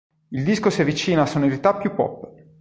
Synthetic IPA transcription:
ild̪iskosɛvit͡ʃiːnasonevit̪apːjupːɔ̰pː

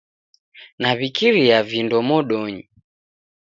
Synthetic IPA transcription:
naβikiɾiavindɔmɔɗɔɲi

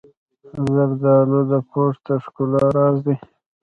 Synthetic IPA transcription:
zaɾd̪ɑlod̪əpʰoʂt̪aʂkulɑɾɑzd̪i

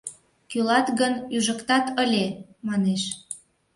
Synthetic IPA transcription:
kylɑt̪ɣənyʒəkt̪ɑt̪əlʲemɑneʃ

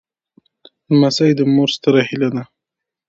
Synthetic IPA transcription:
masajd̪əmoɾst̪əɾahilad̪a

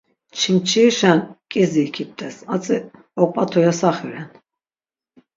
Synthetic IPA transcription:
t͡ʃʰint͡ʃʰiʃankʼizikʰip̚t̪ʼɛsat͡sʼi | ɔkʼpʼat̪ʰujasaχiɾɛn

